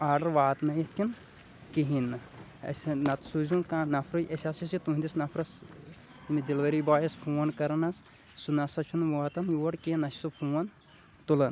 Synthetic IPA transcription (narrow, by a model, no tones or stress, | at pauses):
aːɾɖɐɾʋaːt̪nɐjitkʲin | kiɦin | ɐ̰sʲnɐt̪suzũnkãːnɐfʰɾɨjʔɐsʲaːsisit̪uĩnd̪isnɐpʰɾɐs | imid̪ilʋɐɾibaːjɐspʰuːnkɐɾɐnɐs | sunɐsɐt͡ʃʰunʋaːt̪ɐnjuʋɐɽkiinɐssupʰuːɐn | t̪ulɐn